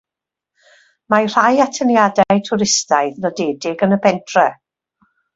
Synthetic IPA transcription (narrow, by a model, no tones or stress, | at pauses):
majr̥ajatʰənjadɛtʰʊɾɪstaɨðnɔdeːdɪɡənəbɛntʰrɛ